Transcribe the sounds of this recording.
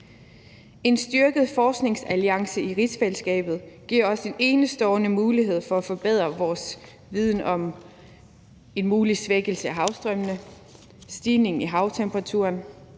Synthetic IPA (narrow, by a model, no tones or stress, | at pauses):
e̝nsd̥yɐɡ̥əð̞̩ˠfɒːsɡ̥ne̝ŋsæliɑ̈ŋsəiʁi̥sfelsɡ̥ɛ̰ːb̥ð̞̩ˠɡ̥iɐ̰ɒ̽se̝ne̝ːnəsd̥ɒʊnəmuːliɦe̝ð̞̰ˠfɒ̽æfɒ̽b̥eð̞̰ˠʁɐʋɒːs | ʋið̞ˠn̩ɒ̽m | e̝nmuːlisʋeɡ̥əl̩səæɦɑ̈ʊsd̥ʁœmnə | sd̥iːne̝ŋiɦɑ̈ʊt͡sʰemb̥ʰʁɑ̈t͡sʰṵɐn